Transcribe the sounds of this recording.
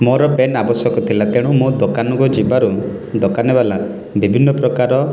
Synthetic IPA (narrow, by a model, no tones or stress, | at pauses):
mɔɾɔpenabɔsɔkɔt̪ʰilat̪eɽ̃ɔmod̪okanɔɡɔd͡ʒibaɾu | d̪ɔkanebala | bibʱinːɔpɾɔkaɾɔ